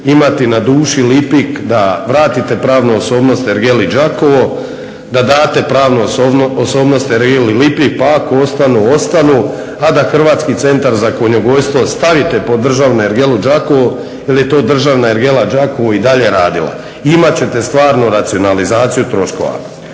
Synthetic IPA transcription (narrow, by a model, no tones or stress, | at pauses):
imat̪inad̪uːʃilipikd̪aʋɾaːt̪it̪e̞pɾaːʋnooso̞ːbno̞st̪eɾɡelid͡ʒako̞ʋo̞ | d̪ad̪aːt̪e̞pɾaːʋnooso̞ːbno̞st̪eɾɡelilipik̚paakoo̞st̪anuo̞st̪anuː | ad̪axr̩ʋaːt̪skit̪se̞nt̪aɾzako̞ɲo̞ɡo̞jst̪ʋo̞st̪aʋit̪e̞po̞d̪r̩ʒaːʋnoeɾɡe̞lud͡ʒako̞ʋo | jelje̞t̪o̞ːd̪r̩ʒaːʋnaeɾɡe̞lad͡ʒako̞ʋoid̪aʎe̞ɾaːd̪ilˠa̰ | imat͡ɕe̞t̪e̞st̪ʋaːɾnuɾat̪sio̞nalizaːt̪sijut̪ɾo̞ʃko̰ʋa̰